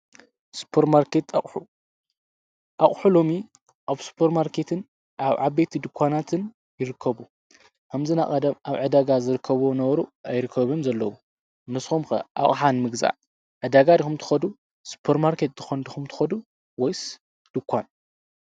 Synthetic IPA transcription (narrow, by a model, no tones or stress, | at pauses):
su̥pʰeɾmaɾket̪aħu | ʔaχʼħulo̞mi | ʔaβsu̥pʰeɾmaɾkʰe̞t̪ʰɨn | ʔaβʕaβbet̪ʰid̪ɨkʰʷːanat̪ʰɨn | jɪɾɨkʰːɐβu | kʰɐmzɨnaʔʼɐd̪ɐmʔaβʕɨd̪aɡazɨɾɨkʰːɐβonɐβɐɾuʔajɾɨkʰːɐβɨmzɐlːɐwu | nɨsumxɐʔa̰ʔʼħanmɨɡza̰ʕ | ʕɨd̪aɡad̪ixumt̪ʰɨ̥xɐd̪u | su̥pʰeɾmaɾket̪̚zɨxɐnd̪ɨxumt̪ʰɨ̥xɐd̪u | wɔjs | d̪̥ɨkʰʷːan